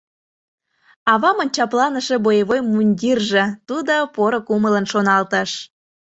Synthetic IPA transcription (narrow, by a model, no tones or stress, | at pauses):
ɑβɑmonʲt͡ɕɑplɑnəʃebojeβojmunʲd̪ʲirʒĕt̪ud̪opoɾokumələnʃonɑlt̪ə̆ʃ